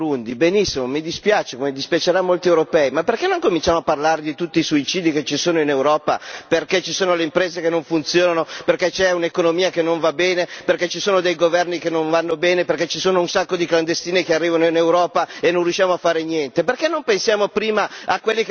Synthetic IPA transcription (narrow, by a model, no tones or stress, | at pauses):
und̪ibenisːimomid̪ispjaːt͡ʃekmed̪ispjat͡ʃeɾamːolt̪iewɾopɛimapːerkenoŋkomint͡ʃaːmoapːarlaːɾed̪it̪ut̪ːiːsuit͡ʃiːd̪iket͡ʃisoːnoinewɾɔːpa̰perket͡ʃisoːnoleimpɾeːzekenːoɱfunt̪sjoːnanoperkɛt͡ʃɛunekonomiːakenːoɱvabeːneperkɛt͡ʃisoːnod̪ejɡovɛrnikenoɱvanːobeːneperkɛt͡ʃisoːnounsakːod̪ikland̪est̪iːnekearːiːvanoinewɾɔːpaenõnrjuʃːjaːmoafːaːɾenjɛnt̪eperkenːompensjaːmopɾiːmaakwelːi